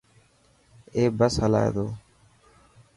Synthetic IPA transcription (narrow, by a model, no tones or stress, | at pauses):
eːbəsɦəla̰ːḛːd̪oː